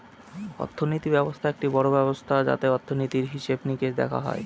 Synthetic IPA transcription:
ɔ̰t̪ʰːonit̪ibɛbost̪ʰaek̚ʈibɔɽobɛbost̪ʰad͡ʑa̰t̪eɔt̪ʰːonit̪iɾɦiʃebniked̪ɛ̰kʰa̰ɦɔ̰e

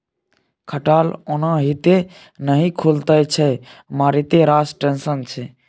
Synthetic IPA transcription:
kʰəʈaːlonãɦit̪e | nəɦĩkʰult̪əjt͡ʃʰɛmãɾit̪eɾasʈẽnsənt͡ʃʰɛ

